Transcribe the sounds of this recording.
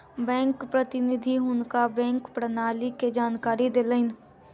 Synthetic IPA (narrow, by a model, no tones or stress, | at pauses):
bɛ̃ːŋkpɾət̪ɪnɪd̪ʱiɦʊnkabɛ̃ːŋkpɾənaːliked͡ʒaːnkaːɾid̪eːləɪn